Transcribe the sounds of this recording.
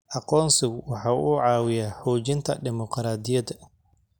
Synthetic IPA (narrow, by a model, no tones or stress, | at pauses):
ʔɑqɔːnsɪɣwɑħɑːʔʊʕɑːwɪjaːħuːt͡ʃɪnt̪ʰɐ̰ɖɪmɔqɾaːd̪ɪjɐdɐ